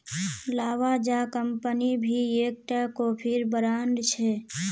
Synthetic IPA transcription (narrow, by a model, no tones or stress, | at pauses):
laːʋad͡ʒakəmpənibʱieːk̚ʈakopʰɪɾbəɾaːnɖ̪t͡ʃʰɛ